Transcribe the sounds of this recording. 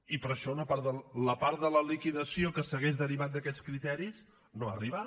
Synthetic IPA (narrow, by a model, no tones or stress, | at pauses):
ipəɾəʃɔunəpaɾt̪ðələpaɾt̪̚d̪ələlikiðəsiokəsəɣeʒðəɾiβat̪̚d̪əkɛt͡skɾit̪ɛɾis | noariβa